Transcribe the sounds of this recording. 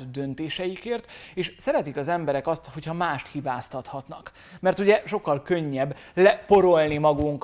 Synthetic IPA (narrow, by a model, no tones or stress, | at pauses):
d̪ø̞nt̪eːʃɛjikeːrt̪eːʃsɛɾɛt̪ikɒzɛmbɛɾɛkɒst̪ho̞chɒmaːʃt̪hibaːst̪ɒt̪hɒt̪nɒk | mɛrt̪uɟɛʃo̞kːɒlkø̞ɲːɛb | lɛpo̞ɾo̞lnimɒɡuŋk